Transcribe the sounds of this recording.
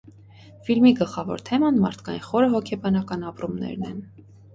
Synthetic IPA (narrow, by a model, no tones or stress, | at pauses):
filmiɡəlχɑvɔ̰ɾt̪ʰɛmɑnmɑ̰ɾt̪ʰkɑjinχɔɾəɦɔkʰɛbɑnɑkɑnɑpɾumnɛ̰ɾnɛ̰n